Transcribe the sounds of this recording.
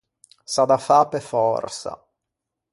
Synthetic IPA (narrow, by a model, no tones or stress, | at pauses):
sad̪afaːpefɔrsa̰